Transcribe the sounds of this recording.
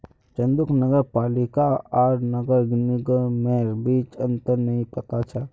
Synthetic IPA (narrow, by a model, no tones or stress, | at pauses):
t͡ʃɐ̃nd̪ʊknɐɡəɾpaːlɪkaaːɾnɐɡəɾɡnɪɡəɾmeɾbiːt͡ʃɐ̃nt̪əɾnɐɦĩpɐt̪at͡ʃʰa